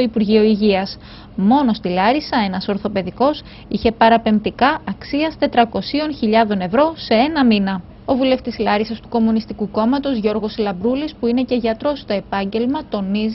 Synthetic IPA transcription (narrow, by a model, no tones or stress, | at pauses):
oipuɾʝio̞iʝiɐs | mo̞no̞st̪ilɐɾisɐe̞nɐso̞ɾθo̞pe̞ðiko̞s | içe̞pɐɾɐpe̞mpt̪ikɐʔɐksiɐst̪e̞t̪ɾɐko̞sio̞nçiʎɐðo̞ne̞vɾo̞se̞e̞nɐminɐ | o̞vule̞ft̪islɐɾisɐst̪uko̞munist̪ikuko̞mɐt̪o̞zʝo̞ɾɣo̞slɐbɾulispuine̞ce̞ʝɐt̪ɾo̞st̪oe̞pɐɲɟe̞lmɐt̪o̞niz